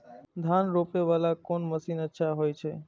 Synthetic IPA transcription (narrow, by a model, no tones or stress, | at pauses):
d̪ʱanɾopeʋalakonməsinətːʃʰaɦojt͡ʃʰe